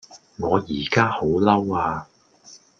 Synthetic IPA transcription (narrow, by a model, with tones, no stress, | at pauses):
ŋɔː˨˧jiː˨˩kaː˥ho˨˥wlɐ˥waː˧